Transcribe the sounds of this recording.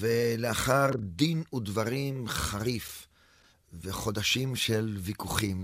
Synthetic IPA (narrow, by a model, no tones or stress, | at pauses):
veleaχaʁd̪inud̪vaʁimχaʁif | veχo̞d̪aʃimʃelvikuχim